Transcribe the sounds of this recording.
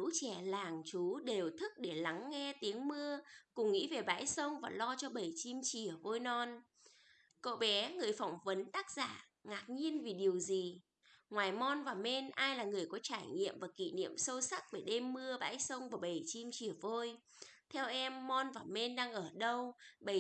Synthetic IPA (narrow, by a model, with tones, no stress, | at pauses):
ṵ˧˥t͡ɕɛ˧˩laː˨˩ŋt͡ɕu˨˦ɗe˨˩wt̪ʰɨ˦˥k̚ɗe˧˩la˨˦ŋːɛ˧t̪i˨˦əŋmɨ˧əkʊ˨˩ŋ͡mŋḭ˧˥ve˨˩ɓa̰ː˧˥jsə˧wŋ͡mvaː˨˩lɔ˧t͡ɕɔ˧ɓə˨˩jt͡ɕi˧mt͡ɕi˧˩əvo˧jnɔ˧n | ko̰˧˨ɓɛ˨˦ŋɨ˨˩əjfa˧˩wŋ͡mvə˨˦nt̪aː˦˥k̚z̥a̰ː˧˩ | ŋaː˨˩k̚ɲi˧ənvi˨˩ɗi˨˩əwzi˨˩ | ŋwaː˨˩jmɔ˧nvaː˨˩me˧nʔaː˧jlaː˨˩ŋɨ˨˩əjkɔ˨˦t͡ɕaː˧˩jŋḭ˧˨əmvaː˨˩kḭ˧˨nḭ˧˨əmsə˧wsa˦˥k̚ve˧˩ɗe˧mːɨ˧əɓa̰ː˧˥jsə˧wŋ͡mvaː˨˩ɓə˨˩jt͡ɕi˧mt͡ɕi˧˩əvo˧j | t̪ʰɛ˧wʔɛ˧mːɔ˧nvaː˨˩me˧nɗaː˧ŋʔəː˧˩ɗə˧wɓə˧˩